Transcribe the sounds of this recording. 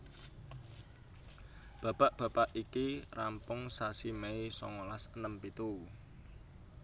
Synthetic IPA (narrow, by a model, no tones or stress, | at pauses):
b̥ä̤paʔb̥a̤paʔikirampʊŋsasimeisɔ̰ŋolasənəmpit̪u